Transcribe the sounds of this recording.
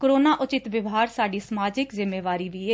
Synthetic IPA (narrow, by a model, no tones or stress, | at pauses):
kɾoːnaːʔʊt͡ʃɪt̪ʋɪʋɦaːɾsaːɖiːsəmaːd͡ʒɪkzɪmːeːʋaːɾiːʋiːe